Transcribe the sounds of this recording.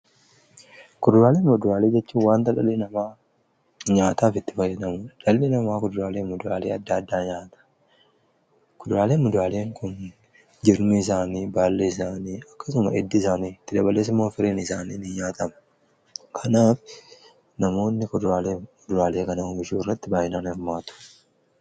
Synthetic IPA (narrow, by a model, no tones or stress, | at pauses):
kʊd̪ʊɾaːleːnmʊd̪ʊɾaːle̞ːd͡ʒɛt͡ʃːuːwaːnt̪ɐᶑɐlːɪnɐmaː | ɲaːt̪aːfɪt̪ːɪ̥fɐjːɐd̪ɐmʊᶑɐlːɪnɐmaːkʊd̪ʊɾaːleːmʊd̪ʊɾaːleːɐd̪ːɐd̪ːaːɲaːt̪ɐ̥ | kʊd̪ʊɾaːleːnmʊd̪ʊɾaːle̞ːŋkʰʊn | d͡ʒɪɾmɪɪs̬aːniːbaːlːeɪs̬aːniːɐkːɐsʊmɐ̰ʔɛd̪ːɪːsaːniːɪt̪ːɪd̪ɐbɐleːs̬ɪmːoːfɪɾeːnɪsaːniːnɪɲaːt̪ɐmɐ̥ | kʰɐnaːf | nɐmo̞ːnːɪkʊd̪ʊɾaːleːʊd̪ʊɾaːle̞ːkɐnɐoːmɪʃuːɪrːɐt̪ːɪbaːhɪnaːnhɪɾmaːt̪ʊ̥